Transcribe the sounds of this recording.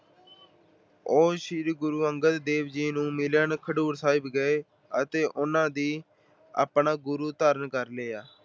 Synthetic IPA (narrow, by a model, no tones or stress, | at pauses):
oːʃiːɾɡʊɾuːəŋɡət̪d̪eːʋd͡ʒiːnũːmɪlənkʰəɖuːɾsaːɪbɡəeː | ət̪eːʔʊnãːd̪iː | a̰ːpɳaːɡʊɾuːt̪aːɾənkəɾleːaː